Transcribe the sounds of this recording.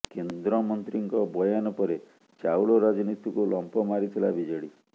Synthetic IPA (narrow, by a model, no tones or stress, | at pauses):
kend̪ɾɔmɔnt̪ɾiŋkɔbɔjanɔpɔɾe | t͡ʃawɭɔɾad͡ʒɔnit̪ikulɔmpɔmaɾit̪ʰila̰bid͡ʒɔɽi